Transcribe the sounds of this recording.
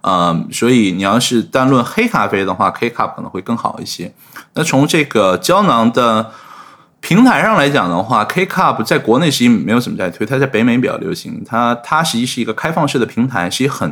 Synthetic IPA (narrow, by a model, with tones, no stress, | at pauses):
ə˧swɔ˧˥i˨˩ni˨˩jɑ˥˧ʂɻ̩˥˧t̪a˥˧nlwə˥˩nxe˥ɪkʰa˥˩fe˥ɪd̪ə˧xwa˥˩kʰe˥ɪkʰa˥˩p̚ʰkʰɤ˨˩nɤ˧˥xwɪkɤ˥˩ŋxɑ̰˨˩ʊḭ˥˩ɕjɛ˥ | na˥˩t͡sʰʊ˧˥ŋʈ͡ʂɤ˥˩ɡə˩t͡ɕjɑ˥ʊnɑ˧˥ŋd̪ə˧ | pʰi˧˥ŋt̪ʰa˧˥ɪʂɑ˥˩ŋla˧˥ɪt͡ɕjɑ̰˨˩ŋd̪ə˦xwa˥˩kʰe˥ɪkʰa˥˩pʰt͡sa˥˩ɪkwɔ˧˥ne˥˩ɪʂ̬ɻ̩˧˥t͡ɕi˧˥ŋ˨˩me˧˥ɪjʊʂə˨˩mə˥˧t̪ʰt̪ʰa˥t͡sa˥˩ɪpe˧˥ɪme˧˥ɪp̬jɑ̰˨˩ʊljo̰˧˥ɕḭ˧˥ŋt̪ʰa˥t̪ʰa˥ʂɻ̩˧˥t͡ɕi˥˧ʂɻ̩˥˩i˧˥ɡə˧kʰa˥ɪfɑ˥˧ŋʂɻ̩˥˩d̪ə˩pʰi˧˥ŋt̪ʰa˧˥ɪʂɻ̩˧˥t͡ɕi˥xə˨˩n